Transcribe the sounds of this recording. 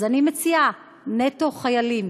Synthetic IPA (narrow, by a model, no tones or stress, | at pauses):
zanimet͡sia | neto̞χajalim